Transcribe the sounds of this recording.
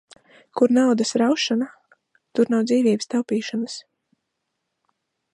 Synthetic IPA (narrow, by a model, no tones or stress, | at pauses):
kuɾnawd̪asɾawʃana | t̪uɾnawd̪ziːvʲiːbst̪awpiːʃanəs